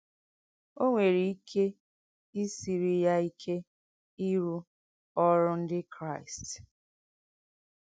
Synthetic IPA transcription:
o˦ŋʷe˨ɾi˨i˦kʰe˦ | i˦si˨ɾi˦ja˦i˦kʰe˦ | i˦ɾu˦ | ɔ˦ɾʊ˦n̩˦dɪ˦kɾa˦˨ɪ˨st

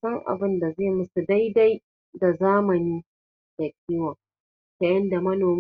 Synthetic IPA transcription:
sɐ˦ŋʔa̰˨bɪ˦nda˨ze˦˨mʊ˦su˨da˦jda˦j | da˨zaː˦mɐ˨niː˦ | d̥a˨kʲʼiː˦wa˨ | ka˨jɐ˦nda˨mɐ˦noː˨m

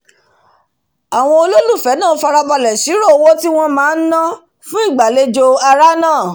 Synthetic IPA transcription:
a˨w̃ɔ̃˧o˧lo˦lu˦˨fɛ˨˦nãː˦˨˦fa˧ɾa˧ba˧lɛ˨si˨˦ɾo˦˨˦wo˦ti˦w̃ɔ̃˦mãː˨˦n̩˦nã˦ | fũ˦i˦˨ɡ͡ba˨le˦d͡ʒo˧a˧ɾa˦nãː˦˨

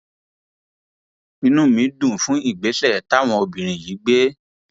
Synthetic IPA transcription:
ĩ˧˦nũ˦˨mĩ˨˦dũ˦˨fũ˨˦i˦˨ɡ͡be˨˦ɬɛ˦˨ta˦˨w̃ɔ̃˧o˧bĩ˨ɾ̃ĩ˨ji˨˦ɡ͡be˦

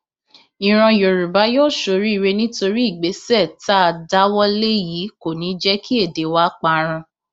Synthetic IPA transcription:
i˨ɾ̃ã˧jo˨ɾu˨ba˨˦joː˦˨ʃo˧ɾi˦i˧ɾe˧nĩ˦to˧ɾi˦i˦˨ɡ͡be˨˦sɛ˦˨ta˦a˧da˦wɔ˦le˦ji˨˦ko˨nĩ˨˦d͡ʒɛ˦kʰi˦e˦˨de˨˦wa˦k͡pa˧ɾ̃ã˧

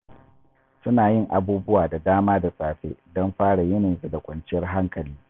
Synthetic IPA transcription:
sʊ˦naː˨jɪ˦ŋʔa˨buː˦bʊ˦waː˨da˨daː˦maː˦da˨saː˨ɸḛː˦dɔ˦mɸaː˦ɽa˨jɛ˦ne˨ze˦da˨kʷɐ˨nt͡ʃɪ˦jɐ˦rɦa˦ŋkɐ˨liː˦

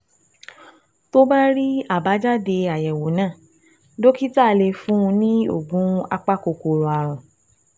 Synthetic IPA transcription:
to˦ba˦ɾi˦a˦˨ba˨˦d͡ʒa˦de˧a˨jɛ˨wo˨˦nãː˦˨ | do˦ki˦ta˦˨le˧fũ˦ũ˧nĩ˦o̰˦˨ɡũ˨˦a˧k͡pa˦ko˨ko˨ɾu˨a˨ɾ̃ũ˨

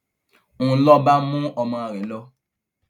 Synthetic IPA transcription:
ũ˨˦lɔ˦ba˦mũ˦ɔ˧mɔ̃˧a˨ɾɛ˨˦lɔ˦

